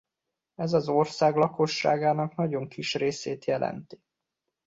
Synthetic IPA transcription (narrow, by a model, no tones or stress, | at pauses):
ɛzɒzo̞rsaːɡlɒko̞ʃːa̰ːɡaːnɒknɒɟo̞ŋkiʃreːseːt̪jɛlɛ̰nt̪i̥